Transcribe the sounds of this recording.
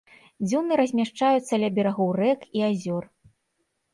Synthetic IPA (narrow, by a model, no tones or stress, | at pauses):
d͡zʲunɨɾɐzʲmʲaʂt͡ʂajut̪sːɐlʲɐbʲɛɾaɣɔwrɛkiazʲɔr